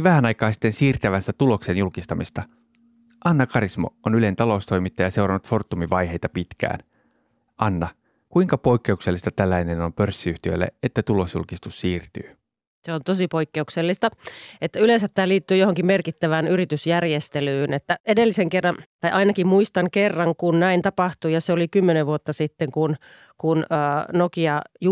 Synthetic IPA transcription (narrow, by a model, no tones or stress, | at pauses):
ʋæhænɑjkˑɑːnsi̥t̪ːensiːrt̪æʋænsæt̪ulo̞ksenjulkist̪ɑmist̪ɑ | ʔɑnːɑkɑɾismo̰onyle̞nt̪ɑlo̞ust̪o̞jmit̪ːɑjɑse̞wɾɑnut̪fo̞rt̪ːumiʋɑjɦejt̪ɑpit̪kæ̰ːn | ʔɑnːɑ | kuiŋkɑpo̞ikːe̞ukse̞lːist̪ɑt̪ælːæineno̞mpø̞rsːiyht̪iø̰jlːḛet̪ːæt̪ulo̞sjṵlkist̪usːiːrt̪y̰ː | seont̪osipoikːeukselːist̪ɑet̪ːæylensæt̪t̪ːæːliːt̪ːyːjohoŋkimmerkit̪ːæʋæːnyrit̪ysjærjest̪elyːnet̪ːæedelːiseŋkerːɑnt̪ɑjʔɑinɑkimmuist̪ɑŋkerːɑŋkunnæint̪ɑpɑht̪ujɑseolikymːeneʋʋuot̪ːɑsit̪ːeŋkun | kunəːnokiɑju